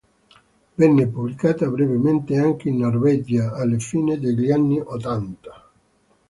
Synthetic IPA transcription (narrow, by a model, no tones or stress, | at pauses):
bɛnːepuβlikat̪aβɾeβemẽnt̪eaŋkeinːoɾβɛd͡ʒaːlefined̪eʎanːiʔot̪ant̪ḁ